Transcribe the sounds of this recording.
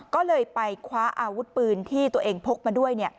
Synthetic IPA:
kɔː˥˩lɤː˧jpa˧jkʰwaː˦˥ʔaː˧wu˦˥t̪̚pɯː˧nt̪ʰiː˥˩t̪u˧ɐʔeː˧ŋpʰo˦˥k̚maː˧du˥˩əjni˥˩ɐ

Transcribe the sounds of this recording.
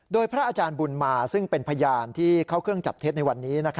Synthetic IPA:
doː˧jpʰɾa˦˥ʔːt͡ɕaː˧nbu˧nmaː˧sɯ˥˩ŋpe˧npʰa˧jaː˧nt̪ʰiː˥˩kʰa˥˩wkʰɯ˥˩əŋt͡ɕa˨˩p̚t̪ʰe˦˥t̪na˧jwa˧nːiː˦˥na˦˥kʰa˦

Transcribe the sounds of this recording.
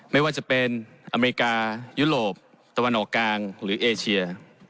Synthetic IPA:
ma˥˩jwaː˥˩t͡ɕa˨˩pe˧n | ʔa˧meː˧ɾi˧˥kaː˧juː˦˥ɾoː˨˩p̚ | t̪a˧wa˧nʔɔː˨˩kːlaː˧ŋɾɯː˩˦ʔeː˧t͡ɕʰi˧ɐ

